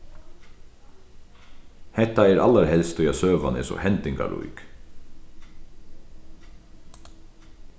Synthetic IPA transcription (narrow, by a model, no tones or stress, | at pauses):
hɛt̪ːaɛɾa̰lːaɾhɛlst̪ʰɔjɛsøːʋanɛ̰ːsɔ̰hɛnt̪ɪŋka̰ɾṵjk